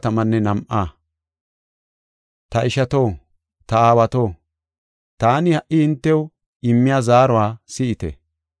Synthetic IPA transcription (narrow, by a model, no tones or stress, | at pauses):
t̪ɐmɐnːɛnɐmʔaː | t̪ɐʔɪʃɐt̪o̞ː | t̪ɐaːwɐt̪o̞ː | t̪aːnɪhɐʔɪɪnt̪ːɛw | ɪmːɪjaːzaːɾʊwaːsɪʔɪt̪ɛ̰